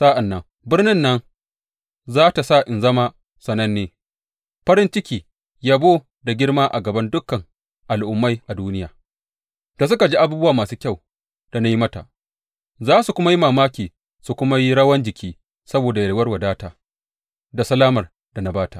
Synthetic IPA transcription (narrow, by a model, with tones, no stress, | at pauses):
sa˦ʔa˨nːɐ˦˨ŋ | bɪ˦rnɪ˦nːɐ˦ŋ | zaː˦ta˨sa˦˨ʔɪ˨nzɐ˦ma˦ | sɐ˨nːɐ˦nːeː˨ | ɸɐ˦ɾɪ˦nt͡ʃɪ˦kʲiː˨ | jaː˦boː˦ | da˨ɡʲɪ˦ɽmaː˦ʔa˨ɡɐ˨bɐ˦ndʊ˦kːɐ˨ŋ | ʔa˨lʔʊ˨mːa˦jʔa˨duː˦nɪ˦jaː˨ | d̥a˨s̬ʊ˦ka˨d͡ʒiː˦ʔa˦buː˦bʊ˦waː˨maː˨suː˦kʲa˦˨w | d̥a˨na˦ji˦mɐ˦ta̰˨ʔ | zaː˦su˨kʷʊ˦ma˦ji˦maː˨maː˦kʲiː˨ | su˨kʷʊ˦ma˦ji˦ɽɐ˦wɐ˦nd͡ʒɪ˨kʲiː˦ | sɐ˦boː˨da˨jɐ˨lwɐ˦rwa˨daː˦taː˨ | da˨sɐ˦laː˦mɐ˨r | d̥a˨na˨baː˦ta˨